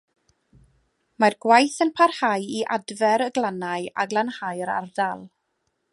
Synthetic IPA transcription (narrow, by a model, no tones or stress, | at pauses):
marɡwajθənpʰarhajiʔadvɛɾəɡlˠanaɨa̰ɡlˠanhajɾa̰rdalˠ